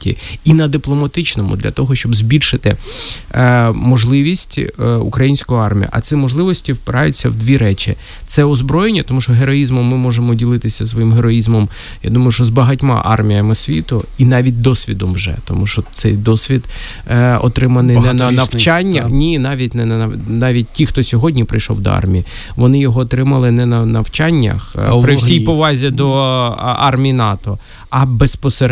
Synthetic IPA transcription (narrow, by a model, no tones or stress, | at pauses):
tʲḭinɐd̪ɪplˠɔmɐt̪ɪt͡ʃnɔmʊ̰d̪lʲɐ̰t̪ɔɦɔʃt͡ʃɔbzʲbʲilʲʃɪt̪ɪ | mɔʒlˠɪʋʲisʲtʲṵkɾɐjinʲsʲkɔɦɔɑrmʲijɐ̰ʔɐ̰sɪmɔʒlˠɪʋɔsʲtʲiwpɪɾɑjʊt͡sʲːɐwd̪ʲʋʲiɾɛt͡ʃʲḭ | t̪sɛɔzbɾɔjenʲːɐt̪ɔmuʃt͡ʃɔɦeɾɔjizmɔmːɪmɔʒemɔdʲilˠɪt̪ɪsʲɐsʋɔjimɦeɾɔizmɔm | ja̰d̪umɐjʊʃt͡ʃɔzbɐɦɐtʲmɑ̰ʔɑ̰rmʲijɐmɪsʲʋʲit̪ʊinɑʋʲit̚ʲd̪ɔsʲʋʲid̪ɔmwʒɛ̰t̪ɔ̰muʃɔt̪sɛjd̪ɔsʲʋʲid̪ | ɔ̰t̪ɾɪmɐnɪnnɐnɐt͡ʃanʲːɐxnʲinɑʋʲitʲnɛnɐɐnɑʋʲit̚ʲtʲːixt̪ɔsʲɔɦɔdʲnʲipɾɪ̰jʃɔ̰wd̪ɔ̰ɑ̰rmʲiji | ʋɔnɪjɔɦɔːt̪ɾɪmɐlˠɪnɛnɐnɐwt͡ʃanʲːɐ̰xpɾɪwsʲijpɔʋɑzʲɐd̪ɔ | ɑ̰rmʲijinɑt̪ɔ | ɐbespɔseɾ